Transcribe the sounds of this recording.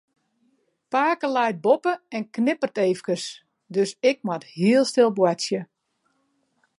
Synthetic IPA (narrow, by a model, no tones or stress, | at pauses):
paːkəlɛjt̚bopəɛnknɪpərteːfkəs | døsɪk̚mathiəlˠstɪlˠbwasjə